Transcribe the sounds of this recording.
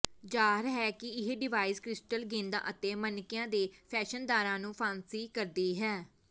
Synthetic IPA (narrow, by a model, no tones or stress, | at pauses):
d͡ʒaːɦɪɾɦɛːkɪɪɦeːɖɪʋaːiːzkɾɪsʈəlɡẽːnd̪ã̰ːʔət̪eːmənɪkijãːd̪eːpʰɛːʃənd̪aːɾãːnũːpʰãːnsiːkəɾd̪eːɦɛː